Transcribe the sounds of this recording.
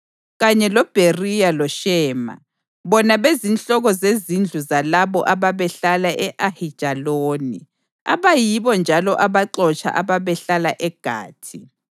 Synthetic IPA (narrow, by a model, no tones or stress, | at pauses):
ɣaɲɛlɔb̥ʱerijalɔʃɛːma̰ | βɔnaβezinɬʼɔɣɔzezind͡ɮʱuzalaβɔ̰ʔaβaβɛɬalaʔɛʔahid̥ʒ̥ʱaloːnḭ | aβajiβɔnd͡ʒʱalɔʔaβaǁɔt͡ʃʰʼa̰ʔaβaβɛɬalaʔɛɡ̥ʱa̰ːtʰi